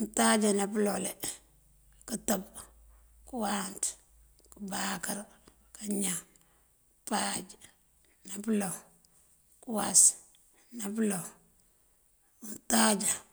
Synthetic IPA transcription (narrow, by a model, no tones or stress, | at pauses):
ntad͡ʒanaplole | kutab | kuwant | kubakaɾ | kaɲa | pad͡ʒ | naplo | kuwas | naplo | ntad͡ʒa